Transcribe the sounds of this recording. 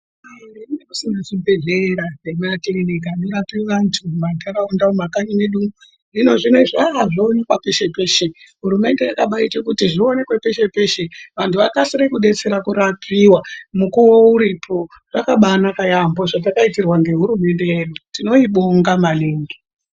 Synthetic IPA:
ainekusiŋɡaʐibʱe̞ɮeɾanemuatiɾinekanirapiwʋantʰumataraundaumakaɲineɗumu | rino̞ʐine̞ʐaɦaʐionekwape̞ʃe̞pe̞ːʃe | ɦuɾume̞nde̞jakaɓaitekutiʐione̞kwepe̞ʃe̞pe̞ʃe̞ʋantʰuʋakasiɾekuɗe̞t͡se̞ɾakuɾapʰiwamukuwouɾipʰo̞ | ʐ̥akaɓanakajamboʐat̬akaitirwaŋɡe̞ɦuɾume̞nde̞eːɗutino̞iɓoŋɡamaneːŋɡi

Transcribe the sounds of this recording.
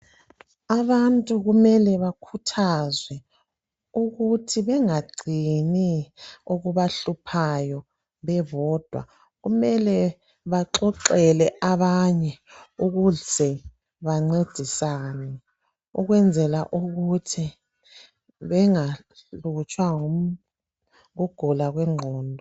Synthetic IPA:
aβantʼuɣumɛlɛβakʰutʰazwɛ | uɣutʰiβɛŋaɡ͡ǀʱiniuɣuβaɬupʰajɔ | βɛβɔːd̥ʱwa̰ | ɣumɛlɛ | βaǁɔǁɛlɛʔaβaɲɛuɣuɮz̥ɛ | βaŋ͡ǀed̥ʱisanɛ | ṵɣwɛnd͡zʱɛlaʔuɣutʰi | βɛŋa | ut͡ʃʼwaŋu | uɡ̥ʱɔlaɣwɛŋ͡ǃʱɔːndʱɔ

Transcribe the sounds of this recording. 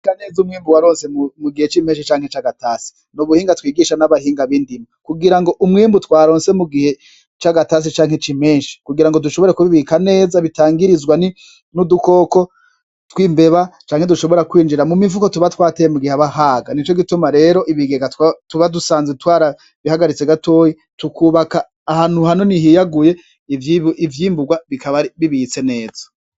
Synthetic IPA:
kaneːzumŋiːmbuwaɾoːnse̞muɡihe̞t͡ʃime̞ːnʃit͡ʃaːŋ̥het͡ʃaɡataːsi̥ | nuβuhiːŋɡatwiːɡiːʃanaβaɦiːŋɡaβiːndimakuɡiɾaŋɡoʔumŋiːmbutwaːɾo̞ːnse̞muɡihe̞ | t͡ʃaɡatas̬it͡ʃaːŋhet͡ʃime̞ːnʃi̥kuɡiɾaŋɡo̞duʃo̞βo̞ɾekuβiβikane̞ːzaβitaːŋɡiɾizwani | nuduko̞ːko̞ | twiːmbe̞βat͡ʃaːŋheduʃo̞βo̞ɾakwiːnd͡ʒiɾamumivuko̞tuβatwaːtejemuɡiheaβaɦaːɡanit͡ʃo̞ɡitumaɾe̞ːɾo̞ʔiβiɡeŋɡattuβadusaːnzetwaːɾa | βihaɡaɾit͡seɡatʰo̞ːji | tukʰuːβakaː | haːnuhanoniɦijaɡuje̞ | ivjiːmbuɡwaβikʰaβaɾiβiβit͡se̞ne̞ːz̥ḁ

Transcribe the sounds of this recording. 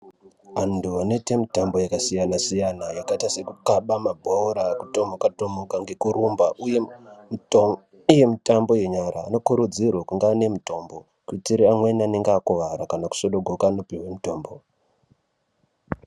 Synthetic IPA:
anduʋane̞te̞mitambo̞jakasijanasijanajakatasekukaɓamabʱooɾakuto̞mokatomokaŋɡekuɾumbaʔuj | je̞mitambo̞je̞ɲaɾa̰ːno̞kuɾud͡zirwakuŋɡaːne̞mito̞ːmbo̞ | kuitiɾiamwe̞naneŋɡeakoʋaɾakanaku̥so̞ɗo̞ɡʱokaːno̞piɦwemito̞ːmbo

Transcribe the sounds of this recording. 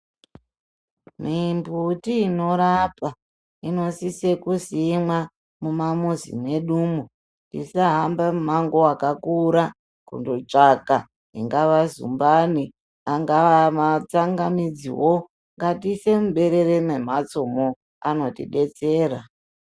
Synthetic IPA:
mimbutiːno̞ɾapa | ino̞sisekusimwa | mumamuzḭmwe̞ɗumu | ndḭsaɦambaumaŋɡoakakuɾa | kṵndot͡ʂaka | ɦḭŋɡaʋazṵmbani | aŋɡaamat͡saŋɡamid͡zḭwo̞ | ŋɡatise̞muɓe̞ɾe̞ɾeme̞mat͡somo | ano̞tḭɗe̞t͡se̞ːɾa

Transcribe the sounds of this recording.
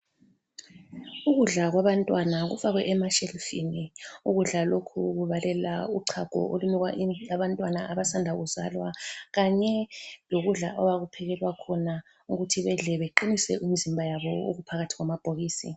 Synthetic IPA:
uɣuɮaɣwaβantʼwanaɣṵfaɣwɛ̰ʔɛmaʃɛlfiniuɣuɮalokʰuɣuβalɛla̰uǀʰaɡ̥ʱɔ̰ʔolumiɣwaiaβantʼwanaʔaβasandʱaɣuzalwaɣaɲɛloɣuɮa̰ʔɔwaɣupʰɛɣɛlwakʰɔna | uɣutʰiβɛɮɛβeǃinisɛʔimizimbʱajaβɔo̰ɣupʰaɣatʰiɣwamab̥ʱoɣiːsi

